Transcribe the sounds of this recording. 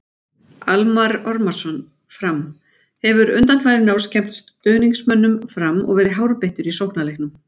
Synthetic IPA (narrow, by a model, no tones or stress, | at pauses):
almaɾɔɾmaɾ̥sɔn | fɾam | hɛvʏɾʏnt̪anfajɾɪnawscʰɛm̥t̪st̪t̪œːniŋksmœnːʏmfɾamːɔ̰ɣvɛːɾɪɦaːwɾʏpeht̪ʏɾisowhnalehknʏm